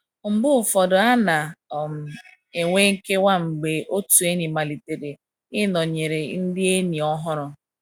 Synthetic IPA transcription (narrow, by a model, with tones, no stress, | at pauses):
ŋ͡m̩˨bʊ˦˨fɔ˨dɔ˨a˦na˨m̩˨ | e˨ŋʷe˦ŋ̩˦ke˦wa˦ŋ͡m̩˨ɡ͡be˨ʔo˦tu˨e˦ni˨ma˨li˨te˨ɾe˨ | ɪ˦nɔ˨ɲe˨ɾe˨n̩˦dɪ˦e˦ni˨ɔ˦ɦʊ˦ɾʊ˦